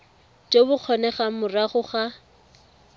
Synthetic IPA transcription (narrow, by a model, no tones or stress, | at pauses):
t͡ʃʼobʊq͡χʰɔnɛχamʊraχʊχa